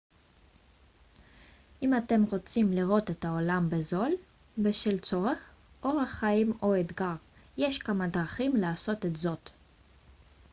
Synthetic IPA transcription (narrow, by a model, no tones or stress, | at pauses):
ʔimate̞mʁo̞t͡simliʁo̞t̪e̞taolambezo̞l | beʃilt͡so̞ʁe̞χ | ʔo̞ʁaχaimo̞et̪ɡaʁ | je̞ʃkamad̪ʁaχimlaːso̞t̪etzo̞t̪